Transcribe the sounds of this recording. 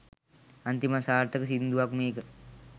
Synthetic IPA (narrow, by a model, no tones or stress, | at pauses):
ɐnt̪imasaːɾt̪əkəsind̪uʋakmeːkə